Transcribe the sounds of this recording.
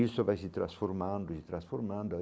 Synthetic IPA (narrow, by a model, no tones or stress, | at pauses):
ilsovajsit̪ɾasfoɾmand̪osit̪ɾasfoɾmand̪oa